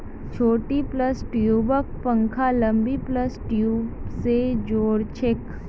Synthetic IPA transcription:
t͡ʃʰoːʈipləsʈjuːbək̚pə̃ŋkʰalə̃mbipləsʈjuːbsed͡ʒoːɽt͡ʃʰek

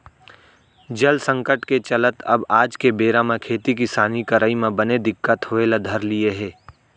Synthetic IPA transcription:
d͡ʒəlsə̃ŋkəʈket͡ʃələt̪ɐbaːd͡ʒkebeːɾamẽkʰeːt̪ik̬ɪsaːnikəɾʔaimẽbəned̪ɪkːət̪ɦoelad̪ʱɐɾlieɦɛː

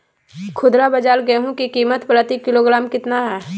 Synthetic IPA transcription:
kʰʊd̪ɾabɐd͡ʒaːlɡəɦũkikiːmət̪pɾət̪ikɪloːɡɾaːmkɪt̪naɦɛː

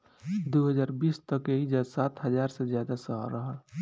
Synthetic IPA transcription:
d̪oɦəd͡ʒaːɾbiːst̪əkeɦid͡ʒasaːt̪ɦəzaːɾsezjaːd̪asəɦɾəɦəl

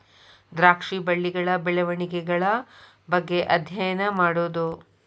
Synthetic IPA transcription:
d̪ɾaːkʂibɐɭːiɡɐɭɐbɛɭɐʋɐɳikɛɡɐɭɐ | bɐɡːe̞ʔɐd̪ʱjɐjɐnɐmaːɽoːd̪u

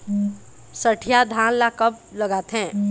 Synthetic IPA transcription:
səʈʰijad̪ʱãːnlakəbləɡaːt̪ɦɛ̃ː

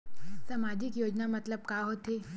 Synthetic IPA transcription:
samaːd͡ʒɪkjoːd͡ʒnamɐt̪ləb̚kaɦoːt̪eː

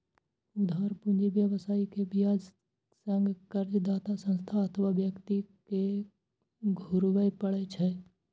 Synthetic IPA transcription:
ʊd̪ʱaːɾpʊ̃nd͡ʒibjəʋsaːikebɪjaːd͡ʒ | sə̃ŋɡkəɾd͡ʒd̪aːt̪asə̃nst̪ʰaət̪ʰəʋaʋjəkt̪ike | ɡʱʊɾʋəepəɽet͡ʃʰɛ

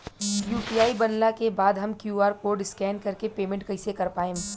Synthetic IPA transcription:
juːpijaːibɐnlakebaːd̪ɦɐmkjuːaːɾkoːɖɪskɛːnkɐɾkepeːmẽɳʈ̚kɐɪsekɐɾpaːẽː

